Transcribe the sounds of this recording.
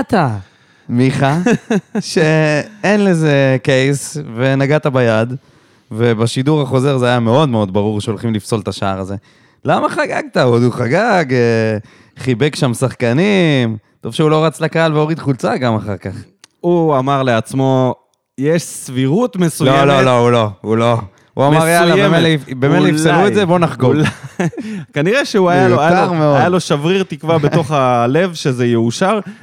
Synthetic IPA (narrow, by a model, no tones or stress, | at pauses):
at̪a | miχa | ʃʃeenleze̞ke̞jsve̞naɡat̪abajad̪ | ve̞baʃid̪uʁaχo̞ze̞ʁzeajame̞o̞d̪me̞o̞d̪baʁuʁʃeo̞lχimlifso̞lt̪aʃaaʁaze̞ | lamaχaɡaɡ̚t̪aod̪uχaɡaɡe | χibe̞kʃamsaχkanimt̪ovʃeulo̞ʁat͡slakaalveo̞ʁid̪χult͡saɡamaχa̰ʁkaχ | uamaʁleat͡smo̞ | jeʃsviʁut̪mesujlololo̞ulo̞ulo | ṵamaʁjalaemelfbemelifseluezebo̞naχɡoa | kaniʁeʃeuajalajaʁmeoadjalo̞ʃavʁiʁt̪ikvabeto̞χale̞vʃezejeuʃaʁ